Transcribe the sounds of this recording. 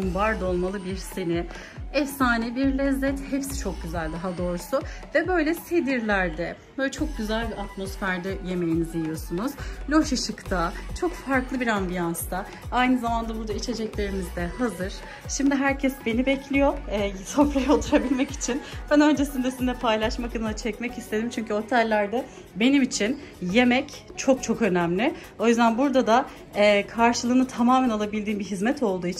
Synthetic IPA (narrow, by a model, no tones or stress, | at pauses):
mbaɾd̪o̞lˠmalˠɯbiɾsenɪ | ɛfsaːnɛbiɾlʲɛzːɛt̪hepsi̥t͡ʃʰo̞k̚ɟyzælʲd̪aɦad̪o̞ɾsuvɛbø̞jlʲɛsed̪iɾlʲæɾd̪ɛ | bøjlʲɛt͡ʃʰo̞k̚ɟyzælʲbiɾat̪mo̞sfæɾd̪ɛje̞me̞jinizijijo̞sunuz̥lʲo̞ʃɯʃɯkt̪ʰat͡ʃʰo̞kfaɾklˠɯbiɾambijanst̪ʰa | ajnɯzamand̪abuɾd̪ait͡ʃʰe̞d͡ʒɛclʲe̞ɾimizd̪ɛhazɯɾ̥ | ʃimd̪iɦæɾcʰɛsbe̞nibɛclʲijo̞ɛːsʰofɾajaot̪ʰuɾabilʲmɛci̥t͡ʃʰinb̥ænø̞nd͡ʒe̞sind̪ɛsind̪ɛpʰajlˠaʃmakɯnɯnat͡ʃʰɛcmɛcist̪ʰe̞d̪imt͡ʃʰyɲcʰyo̞t̪ʰalʲːæɾd̪ɛ | be̞nimit͡ʃʰin | je̞mɛc | t͡ʃʰo̞k̚t͡ʃʰo̞kø̞næmlʲɪ | o̞jyzd̪ænbuɾd̪ad̪a | kʰaɾʃɯlˠɯːnɯt̪ʰamaːmænalˠabilʲd̪iːnbiɦizmɛt̪ʰo̞lˠd̪uːit͡ʃʰ